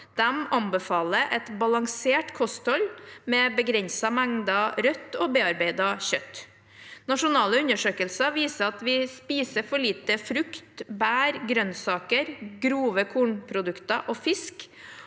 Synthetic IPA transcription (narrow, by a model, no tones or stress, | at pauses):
d̪̥ɛmɑmbəfɑːləʔɛt̪bɑlɑŋseːʈkʰɔst̪ʰɔlmɛbəɡɾɛnsɑmɛŋd̪ɑɾœt̪ːobeːɑɾbeɪd̪ɑçœt̪ː | nɑʂʊnɑːləʉnəʂøːkəlsɑʋiːsəɑt̪ʋɪspiːsəfɔɭiːt̪əfɾʉkt̪bæːɾɡɾœnsɑːkəɾɡɾuːʋəkʰuːɳpʰɾʊd̪ʉkt̪ɑʔofɪsk